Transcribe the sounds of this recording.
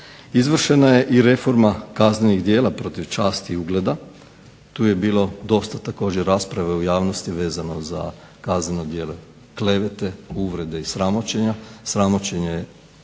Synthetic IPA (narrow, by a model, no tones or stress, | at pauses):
izʋr̩ʃe̞naje̞ʔiɾe̞fo̞ɾmakazneniɣd̪jeːlapɾo̞t̪iʋt͡ʃaːst̪iuɡle̞d̪a | t̪uːje̞biːlo̞d̪o̞st̪at̪ako̞ːd͡ʑeɾːaːspɾaʋeujaːʋnost̪iʋe̞ːzano̞za̰ | kazneno̞d̪jeːle | kle̞ʋe̞t̪e̞uʋɾe̞d̪e̞isɾamo̞t͡ɕe̞ɲasɾamo̞t͡ɕeɲe